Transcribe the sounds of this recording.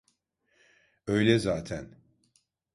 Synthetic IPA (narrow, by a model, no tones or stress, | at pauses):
ø̞jlʲɛzaːt̪ʰæn